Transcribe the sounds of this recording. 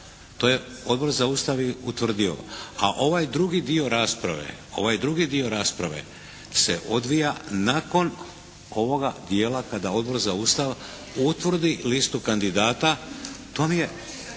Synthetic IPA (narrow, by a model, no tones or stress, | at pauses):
t̪o̞ːjeo̞d̪bo̞ɾzaust̪aʋjeut̪ʋr̩d̪io̞̰a̰ʔo̞ʋajd̪ɾuɡid̪io̞ɾaːspɾa̰ʋe̞̰o̞̰ʋajd̪ɾuɡid̪io̞ɾaːspɾaʋe̞̰ | seʔo̞d̪ʋijanako̞n | o̞ʋo̞ɡad̪jeːlakad̪ao̞d̪bo̞ɾzaust̪aʋ | ut̪ʋr̩d̪ilist̪ukand̪id̪aːt̪at̪o̞mije̞